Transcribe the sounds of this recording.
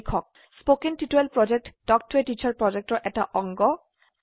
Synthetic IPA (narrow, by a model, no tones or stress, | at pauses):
kʰɔk̚ | spokentituelpɹɔd͡ʒek̚ʈdɔk̚tʰwetit͡ɕʰaɹpɹɔd͡ʒek̚ʈɔɹʔɛta̰ʔɔŋɡɔ